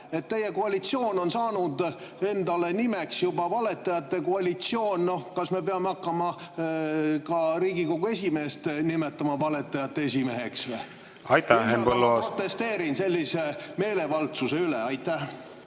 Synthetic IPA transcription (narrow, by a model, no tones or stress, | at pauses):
e̞t̪ːe̞jeko̞ɑlʲit̪sjo̞ːno̞nsɑːnud̪e̞nd̪ɑle̞nime̞ksjubɑvɑle̞t̪ːˑɑjɑt̪ːe̞koɑlʲit̪sio̞ːnno̞hkɑsme̞pe̞ɑmeɑkːɑmɑ | kɑɾiːɡiko̞ɡ̥ue̞s̬ʲime̞ːst̪nime̞t̪ːˑɑmɑvɑle̞t̪ːˑɑjɑt̪ːees̬ʲime̞ɦe̞kse | ɑjt̪ːæempolːost̪e̞st̪e̞ːɾinse̞lʲːise̞me̞ːle̞vɑlt̪suse̞yleɑjt̪ːæh